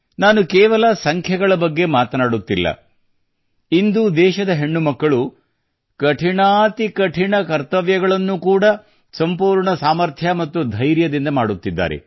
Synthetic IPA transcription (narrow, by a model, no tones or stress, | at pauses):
naːnukɛːʋɐlɐsɐŋkʰjɐɡɐɭɐbɐɡːe̞maːt̪ɐnaːɽut̪ːilːɐ̰ | ind̪ud̪ɛːʃɐd̪ɐɦe̞ɳːumɐkːɐɭu | kɐʈʰiɳaːt̪ikɐʈʰiɳɐkɐɾt̪ɐʋjɐɡɐɭɐnːukuːɽɐ | sɐmpuːɾɳɐsaːmɐɾt̪ʰjɐmɐt̪ːud̪ʱɐjɾjɐd̪ind̪ɐmaːɽut̪ːid̪ːa̰ːɾḛ